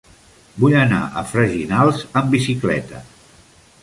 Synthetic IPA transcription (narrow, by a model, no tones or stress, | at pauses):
bujəna̰ʔə̰fɾəʒinalˠzəmbisiklɛ̰t̪ə